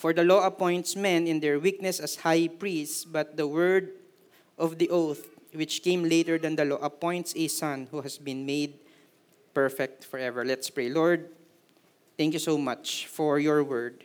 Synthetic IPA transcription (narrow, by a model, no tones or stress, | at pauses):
fɔɹd̪ɐloɐpɔ̃jnt̪smɛ̃nɪ̃nd̪ɛɹwik̚nɛsɐshajpɹistbɐt̪̚d̪ɐwɛɹd̪ | ʔɔvd̪iʔoθ | wɪt͡ʃkẽjmlejt̪ɛɹd̪ɐ̃nd̪ɐlɔʔɐpɔ̃jnt̪sesãnhuɦɐsbɪ̃nmejd̪̚ | pɛɹfɛk̚t̪fɔɹɛvɛɹlɛt̪spɹejlɔɹd̪̚ | t̪ɛ̃ŋkjusowmat͡ʃfɔɹjɔɹwɛɹd̪̚